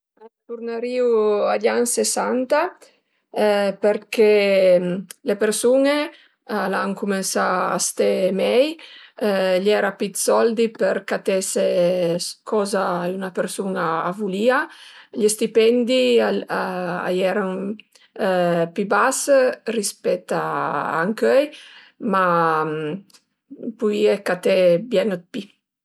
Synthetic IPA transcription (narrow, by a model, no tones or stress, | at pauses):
t̪uɾnaɾiːuaʎansesant̪a | peɾkʰe | lepeɾsuːne | laŋkumensaa̰st̪emɛj | ʎɛːɾapit̪sɔld̪ipeɾkat̪ese | kʰɔːzaunapeɾsunaːvuliːaʎest̪ipɛnd̪i | a̰jɛɾan | pibasrispɛt̪ːaa̰ŋkøj | ma | puiekat̪ɛbjɛnət̪̚pi